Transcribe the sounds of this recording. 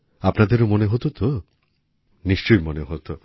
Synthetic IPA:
apnad̪eɾomoneɦot̪ot̪o | niʃt͡ɕojmoneɦot̪o

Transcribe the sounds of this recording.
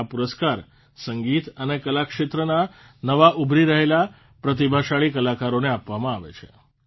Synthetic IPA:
apuɾəskaɾ | səŋɡit̪ənekəlakʃet̪ɾəna | nəʋaʔubʱɾiɾəɦela | pɾət̪ibʱaʃaɭikəlakaɾoneapʋamãaʋḛt͡ʃʰḛ

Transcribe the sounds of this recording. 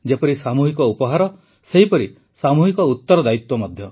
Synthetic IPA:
d͡ʒepɔɾisamuɦikɔupɔɦaɾɔ | seɦipɔɾi | samuɦikɔut̪ːɔɾɔd̪ait̪wɔmɔd̪ʱjɔ

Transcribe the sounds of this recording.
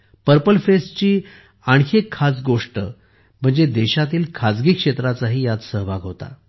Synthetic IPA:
pəɾpəlfest͡ɕiː | aɳɕekʰːasɡoʂʈə | m̤əɳd͡zed̪eɕat̪̬iːlkʰad͡zɡiːkʂet̪ɾat͡saɦiːjat͡ssəɦbaɡɦot̪a̰

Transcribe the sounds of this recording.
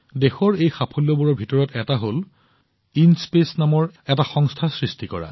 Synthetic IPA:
dexɔɹejxapʰɔljɔbuɹɔɹbʱitɔɹɔtɛtaɦol | inspesnamɔɹɛtaxɔŋstʰasɹistikɔɹa̰

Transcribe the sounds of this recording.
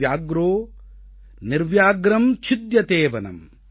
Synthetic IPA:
jaːɡɾoː | niɾʋjaːɡɾɐmt͡ʃʰid̪jɐt̪eːʋɐnɐ̰m

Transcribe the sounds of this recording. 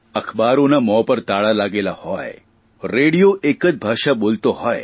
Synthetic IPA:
əxbaɾonamɔpəɾt̪aɭalaɡelahɔe | ɾeɽijoʔekəd͡ʒ̪bʱaːʃaboːlt̪oɦɔe

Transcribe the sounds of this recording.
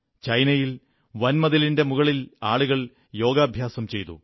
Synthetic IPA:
t͡ɕɐjnɐjil | ʋɐnmɐðɐlinde̞muɣɐɭilaːɭuɣɐɭ | jo̞ːɡaːbʱjaːsɐmt͡ɕe̞jt̪ṵ

